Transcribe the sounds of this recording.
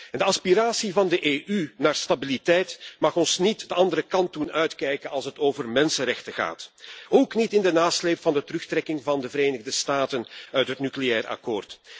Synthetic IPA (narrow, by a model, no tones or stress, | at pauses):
ɛndəɑspiɾaːsivɑndəʔeːʔynaːrstabilitɛjtmɑxɔnsnitdəɑndəɾəkɑnt̚dunœɥtkɛjkənɑlˠsɦətoːvərmɛnsənɾɛxtəɣa̰ːtoːknitɪndənaːsleːpfɑndətərɵxtrɛkɪŋvɑndəvəɾeːnəɣdəstaːtənœɥtɦətnyklejɛːrɑ̰koːrt